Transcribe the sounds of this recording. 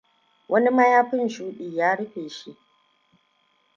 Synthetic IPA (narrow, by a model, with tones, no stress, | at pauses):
wʔɐ˦ni˦mɐ˦jaː˦ɸɪ˦nʃuː˦ɗiː˨jaː˦ɽɪ˦ɸeː˨ʃi˦ʔ